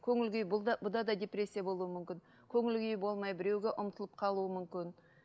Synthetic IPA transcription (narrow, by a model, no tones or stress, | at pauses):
kʲʰɵŋʲɪlɡʲejb̪bʊd̪ɑd̪ɑd̪ʲe̞prʲesʲːijabo̞lˠuwəmʏmkʲɪn | kʲʰɵŋʲɪlɡʲɪjbo̞lˠmɑjbɪɾe̞wɡʲeʔʊmt̪əlˠəp̚qʰɑlˠuəmʏmkʲɪn